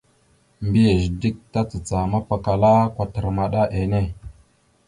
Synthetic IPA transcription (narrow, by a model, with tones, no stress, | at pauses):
mbi˦je˨ʒdi˦k̚ta˦t͡sə˨t͡sa˨ma˦pa˨ka˨la˦kʷa˦tə˨ɾma˨ɗa˦ʔe˨ne˦˨